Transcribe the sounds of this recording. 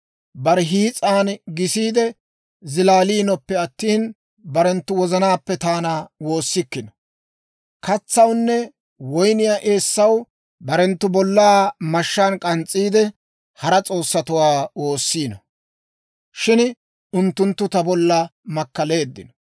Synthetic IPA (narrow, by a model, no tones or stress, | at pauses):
bɐɾɛɦiːt͡sʼaːnɡɪsiːd̪ɛ | zɪlaːliːnɔpːɛɐt̪ːiːn | bɐɾɛnt̪ːʊwɔzɐnaːpːɛt̪aːnawo̞ːsːɪkːɪnɔ | kɐt͡sːɐwnːɛ | wɔjnɪjaːʔeːsːɐw | bɐɾɛnt̪ːʊbɔlːaːmɐʃːaːnkʼɐnt͡sʼːiːd̪ɛ | hɐɾɐt͡sʼo̞ːsːɐt̪ʊwaːwo̞ːsːiːnɔ | ʃɪn | ʊnt̪ːʊnt̪ːʊt̪ɐbɔlːɐmɐkːɐle̞ːd̪ːɪnɔ